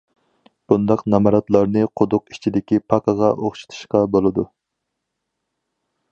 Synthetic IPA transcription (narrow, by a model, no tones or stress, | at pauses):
b̥und̪ɑqnɑmɑɾɑt̪lˠɑɾnɨqʰʊd̪ʊqi̥t͡ʃʰid̪ɪkʲipʰɑqəʁɑʔoχʃu̥t̪ʰu̥ʃqɑbolˠɨd̪u